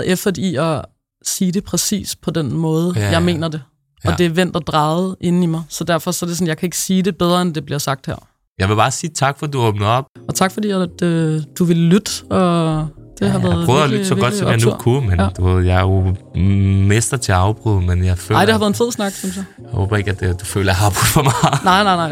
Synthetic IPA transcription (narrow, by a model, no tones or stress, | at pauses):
efd̥ɐdeiɒ | siːde̝pʰʁɛsḭːspʰɒ̽d̥enmɔ̽ːð̞̩ˠəjɑ̈ɪme̝̰ːnɐd̥e̝ | ɒ̽d̥e̝ʋen̰d̥ɒd̥ʁɑ̈ːð̩ˠʔe̝nn̩imɑ̈ɪsɒ̽d̥æɐfɒ̽sɒ̽æɐdɾe̝ɔnjɑaɪkʰæe̝ɡ̥ə̥siːd̥e̝b̥eð̞ˠʁɐend̥e̝b̥liɐsɑ̈ɡ̥̚d̥heɐ̰ | jɑɪʋe̝bɑ̈ːsiːt͡sʰɑ̈ɡ̥fɒd̥uɔ̽ːb̥̚n̩ð̩ˠɒ̽b̥̚ɒ̽t͡sʰɑ̈ɡ̥fɒ̽d̥ḭːæd̥ød̥uʋe̝lːyd̥ɒ̽d̥e̝ɦɑʋæɐð̩ˠœʊɒlyd̥sɒɡɒd̥sɒmja̰kʰumend̥uʋe̝ð̰ˠjɑɪjo | mesd̥ɐt͡sʰe̝ɑ̈ʊb̥ʁṵðˠmenjɑ̈ɪfø̰̈ɪ̰̥ehɑʋæɐðˠenfe̝ð̰ˠsnɑ̈ɡ̥simsɑjaho̰ːb̥ɐe̝ɡ̥æd̥ed̥ufø̰ːlɐjɑɦɑ̈b̥ʁuð̥ˠfɒmɑɪnɑ̈ɪ̰nɑ̈ɪnɑ̈ɪ